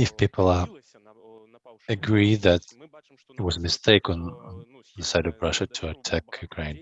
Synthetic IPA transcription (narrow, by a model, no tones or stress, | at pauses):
ɨfpʰipʰl̩ˠə | ɨɡɹiðɨɾ | ɪt̚wʌzəmɨstʰeɪkn | ðəsaɪɾʌvɹʌʃɨtʰəːtʰækʰjʉkʰɹ̥ẽɪ̃n